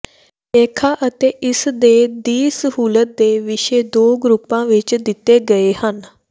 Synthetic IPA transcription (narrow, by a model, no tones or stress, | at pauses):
eːkʰaːʔət̪eːʔɪsd̪eːd̪iːsəɦuːlət̪̚d̪eːʋɪʃeːd̪oːɡɾʊpːãːʋɪt͡ʃd̪ɪt̪ːeːɡəeːhən